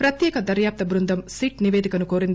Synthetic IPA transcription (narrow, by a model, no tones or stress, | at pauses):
pɾɐt̪jɛːkɐd̪ɐɾjaːp̚t̪ɐbɾund̪ʱɐmsiʈniʋeːd̪ikɐnukoːɾind̪i